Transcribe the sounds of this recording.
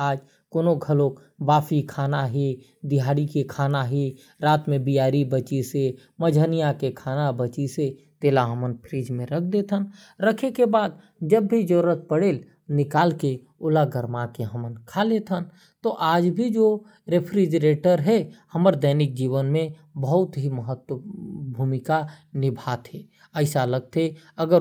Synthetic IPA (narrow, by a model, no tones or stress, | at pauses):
aːd͡ʒ | koːnoɡʱəloːk | baːfikʰaːnaɦi | d̪ɪɦaːɽikekʰaːnaɦi | ɾaːt̪mẽbijaːɾibət͡ʃise | məd͡ʒʱənijakekʰaːnabət͡ʃise | t̪eːlaɦəmənpʰɾiːd͡ʒmẽɾəkʰd̪et̪ʰən | ɾəkʰekebaːd̪̚ | d͡ʒəbːʱid͡ʒoːɾət̪̚pəɽeːl | nɪkaːlke | ʊlaɡəɾmakeɦəmənkʰalet̪ʰən | t̪oʔaːd͡ʒbʱid͡ʒo | ɾepʰɾid͡ʒəɾeːʈəɾɦɛhəməɾd̪əɪnɪk̚d͡ʒiːʋənmẽ | bəɦʊt̪ɦiməɦət̪wəbʱuːmɪka | nɪbʱaːt̪ʰeː | əɪsaləɡ̚t̪ʰeəɡəɾ